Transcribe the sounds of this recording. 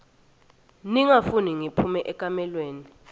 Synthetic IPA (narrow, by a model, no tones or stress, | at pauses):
niŋafuniŋipʰumɛʔɛkʼamɛlweːni